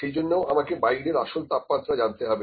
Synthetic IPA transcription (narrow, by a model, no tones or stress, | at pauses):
ʃejd͡ʑonːeoʔamakebajɾeɾaʃolt̪apmat̪ːɾad͡ʑant̪eɦɔbe